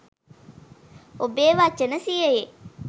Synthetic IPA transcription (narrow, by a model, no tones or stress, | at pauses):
obeːʋaːt͡ʃenəsieje